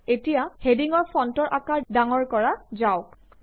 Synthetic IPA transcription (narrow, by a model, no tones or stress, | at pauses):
etijahediŋɔɹpʰɔntɔɹʔakaɹdaŋɔɹkɔɹazaw